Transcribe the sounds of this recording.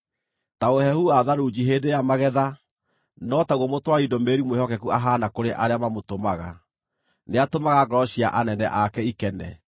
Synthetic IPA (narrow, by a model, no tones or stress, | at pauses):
taohɛhuaðaɾud͡ʑiɦeːdejamaɣɛða | nɔtauɣɔmotwaidɔmeɾimwehɔkɛkuaɦanakoɾeʔaɾeamamotomaɣa̰ | neatomaɣaɡɔɾɔɕiaʔanɛnɛʔakɛikɛnɛ̰